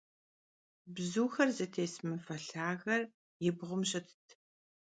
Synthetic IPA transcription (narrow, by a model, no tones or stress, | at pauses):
bzuːxɐrzɐtʰeːsmɨfɐɬaːɣɐr | jɪbʁʷʊmɕʼɐtʰtʰ